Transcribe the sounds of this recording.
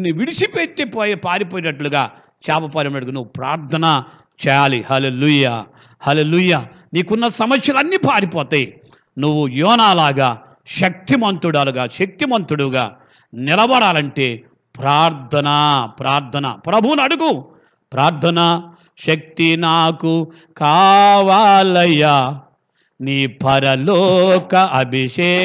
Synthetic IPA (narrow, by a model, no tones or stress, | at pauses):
nːiʋiɽisipet̪ːipoːjipaːɾip̬oːjinɐʈluɡaː | t͡ʃaːpɐpaːɾɐmnɐʈɽuɡunuʋːupɾa̰ːɾt̪ʰɐnɐ | t͡ʃɛːjaːlihɐleːlujaː | hɐleːlujaː | niːkunːɐsɐmɐsjɐlɐnːiːpaːɾipɔːt̪ɐji | nuʋːujɔːnaːlaːɡaː | ʃɐk̚t̪imɐnt̪ɾuɽaːluɡaːʃɐk̚t̪imɐnt̪ɾuɽuɡa̰ː | nilɐʋɐɽaːlɐɳʈe̞ː | pɾaːɾt̪ʰɐnɐpɾaːɾt̪ʰɐnɐ̰pɾɐbʱuwunɐɽuɡu | pɾaːɾt̪ʰɐnɐ | ʃɐk̚t̪inaːku | kaːʋaːlɐjːa | niːpɐɾɐlɔːkɐʔɐbʱiʂeː